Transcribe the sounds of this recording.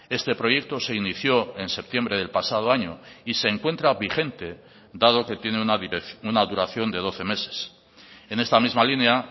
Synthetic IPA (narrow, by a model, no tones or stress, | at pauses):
e̞st̪e̞pɾo̞ʝe̞k̚t̪o̞se̞iniθjo̞e̞nse̞p̚t̪je̞mbɾe̞ðe̞lpasað̞o̞aɲo̞ise̞ːŋkwe̞nt̪ɾaβixe̞nt̪e̞ | d̪að̞o̞ke̞t̪je̞neunaðuɾaθjo̞nd̪e̞ðo̞θe̞me̞se̞̥s | e̞ne̞st̪amizmalinea